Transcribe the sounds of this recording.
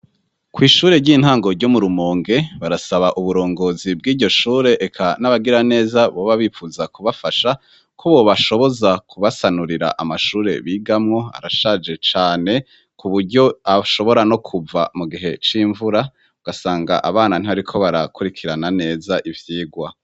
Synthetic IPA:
kwiːʃuːɾe̞ɟiːn̥haːŋɡo̞ɾɟomuɾumoːŋɡe̞βaɾasaβaʔuβuɾo̞ːŋɡo̞ːzib̚ɡiːɾɟo̞ʃuːɾe̞ʔekʰanaβaɡiɾane̞ːzaβoβaβiːfuzakuβafaʃa | kʰoβo̞βaʃo̞βo̞zakuβasanuɾiɾa̰ʔamaʃuːɾe̞̰βiːɡamŋo̞a̰ɾaʃad͡ʒe̞t͡ʃaːne̞ | kʰuβuɾɟo̞aʃo̞βo̞ɾano̞kʰuva̰muɡiɦe̞t͡ʃiːɱvuɾa | uɡasaːŋɡa̰ʔaβaːnan̥iβaɾikʰo̞βaɾakuɾikʰiɾanane̞ːzaʔivjiːɡwa

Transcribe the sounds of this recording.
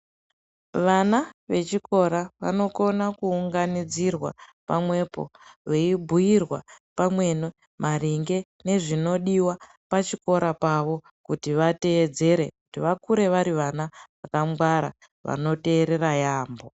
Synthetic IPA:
ʋanaʋe̞t͡ʃiko̞ɾaʋa̰no̞ko̞nakuːŋɡanid͡zirwa̰pamwe̞po̞̰ʋeibʱujirwa̰pamwe̞no | mʔaɾiŋɡe̞ | ne̞ʐino̞ɗiwa | pat͡ʃiko̞ɾʔapaʋo̞ | kutiʋate̞ːd͡ze̞ɾe̞̰kutiʋakuɾe̞ʋaɾiʋanaʋakamɡwaɾa̰ | ʋa̰no̞te̞ːɾe̞ɾajaːmbo̞

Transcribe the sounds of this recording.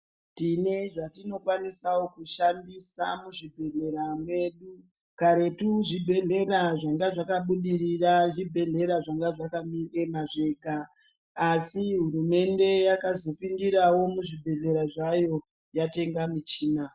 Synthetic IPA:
tine̞ʐatino̞kwanisawokuʃandisa̰muʐibʱe̞ɮe̞ɾamwe̞ɗu | kaɾe̞tuʐibʱe̞ɮe̞raʐaŋɡaʐakaɓuɗiriraʐibʱe̞ɮe̞ɾaʐaŋɡaʐakamiemaʐe̞ɡʱaː | siɦuɾume̞nde̞jakazo̞pindiɾawo̞muʐibʱe̞ɮe̞ɾaʐajo̞ | jate̞ŋɡamit͡ʃiːna

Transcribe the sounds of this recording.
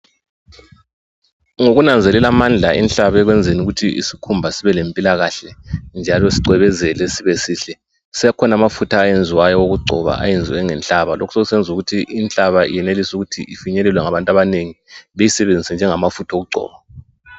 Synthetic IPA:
ŋoɣunand͡zʱɛlɛlamand͡ɮʱaʔḭnɬaβɛɣwend͡zʱinuɣutʰiḭsikʰumbʱasiβɛlempʼilaɣaɬɛnd͡ʒʱalɔsiǀwɛβɛzɛlɛsiβɛsiːɬɛ | sijakʰɔnamafutʰaːjend͡zʱiwajɔwoɣuɡ͡ǀʱɔ̰βa̰ʔa̰jend͡zʱiwɛŋɛnt͡ɬaβalo̰kʰu̥seɣusɛnd͡zʱuɣutʰiʔinɬaβaḭjɛnelisuɣutʰiʔifiɲɛlɛlwɛŋaβantʼaβaneŋiβejisɛβend͡zʱisɛnd͡ʒʱɛŋamafutʰaoɣuɡ͡ǀʱɔ̰ːβa

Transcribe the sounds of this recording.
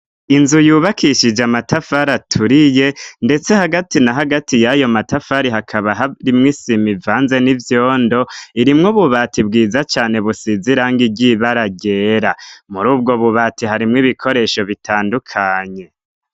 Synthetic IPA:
inzujuːβakʰiʃid͡ʒamatafaɾatʰuɾije̞nde̞t͡se̞haɡatinaɦaɡatijajo̞matafaɾiɦakʰaβaɦaɾimŋisimivaːnze̞nivjoːndo̞iɾimŋoβuβatʰibɡiːzat͡ʃaːne̞βusiziɾaŋɡiɟiβaɾaɟe̞ːɾamuɾuːb̚ɡo̞βuβaːtiɦaɾimŋiβikʰo̞ɾe̞ʃo̞βitʰaːndukʰaɲe̞

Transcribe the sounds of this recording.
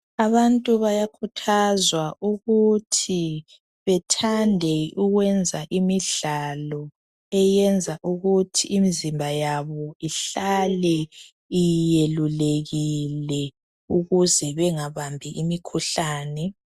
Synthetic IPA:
aβantʼuβajakʰutʰazwaʔuɣutʰi | βɛtʰandʱɛuɣwɛnd͡zʱaʔimiɮalɔ | ɛjɛnd͡zʱaʔuɣutʰiːmizimbʱajaβɔiɬalɛ | ijeluleɣilɛ | uɣuzɛβɛŋaβambʱiʔimikʰuɬaːnɛ

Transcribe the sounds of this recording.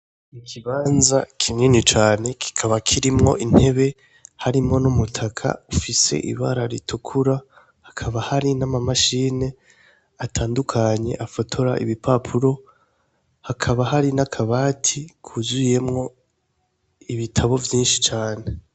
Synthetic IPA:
mikʰiβaːnzakʰimŋinit͡ʃaːne̞kʰi̥kʰaβakʰiɾimŋo̞̰ʔin̥he̞βe̞ | haɾimŋo̞numutʰakʰa̰ufise̞̰ʔḭβaɾaɾitʰukʰuɾa | hakʰaβahaɾinamamaʃine̞ | atʰaːndukʰaɲe̞̰ʔafo̞tʰo̞ɾaʔḭβipʰapʰuɾo̞ | hakʰaβaɦaɾinakʰaβaːtʰikʰuzuje̞mŋo̞ | iβitʰaβo̞vjiːnʃi̥t͡ʃaːne̞

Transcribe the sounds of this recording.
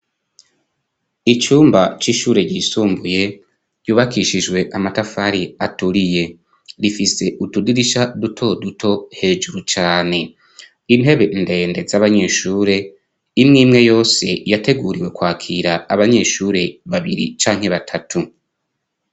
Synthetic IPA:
it͡ʃuːmbat͡ʃiʃuːɾe̞ɟiːsuːmbuje̞ | ɾɟuːβakiʃid͡ʒɡwe̞ʔamatafaɾiatuɾije̞ | ɾifise̞ʔutudiɾiʃadutʰo̞dutʰo̞he̞ːʒuɾut͡ʃaːne̞ | inɦe̞βe̞nde̞ːnde̞zaβaɲe̞ːʃuːɾe̞ | imŋiːmŋe̞jo̞ːse̞jate̞ɡuːɾiwe̞kwaːkʰiːɾaːβaɲe̞ːʃuːɾe̞βaβiɾḭt͡ʃaːŋhe̞βatʰatʰu

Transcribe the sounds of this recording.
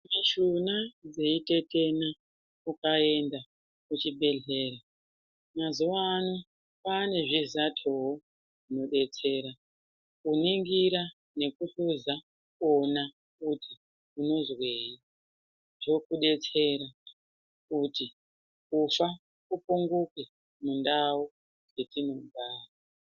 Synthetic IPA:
miʃunad͡zeite̞te̞na | kukae̞nda | kut͡ʃibʱe̞ɮe̞ːɾa | mazuʋano | pane̞ʐizatʰoɦo | ʐino̞ɗe̞t͡se̞ɾa | kuniŋɡiɾa | ne̞kuɬuza | kona | kutʰi | uno̞zweːi | to̞kuɗe̞t͡se̞ɾa | kuti | kufa | kupuŋɡuke | mundawo | e̞tino̞baːra

